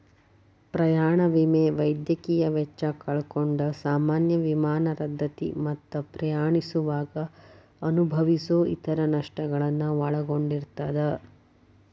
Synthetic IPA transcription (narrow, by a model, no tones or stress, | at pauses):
pɾɐjaːɳɐʋimeʋɐjd̪jɐkiːjɐʋɛt͡ʃːɐkɐɭkoɳɖɐsaːmaːnjɐʋimaːnɐɾɐd̪ʱːɐt̪ḭmɐt̪ːɐpɾɐjaːɳisuʋaːɡɐ | ɐnubʱɐʋisoːʔḭt̪ɐɾɐnɐʂʈɐɡɐɭɐnːuʋɐɭɐɡo̞ɳɖiɾt̪ɐd̪ɐ